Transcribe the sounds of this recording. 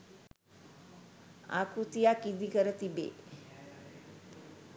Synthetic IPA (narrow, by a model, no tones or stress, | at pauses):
a̰kut̪ijakid̪ikəɾət̪ibḛː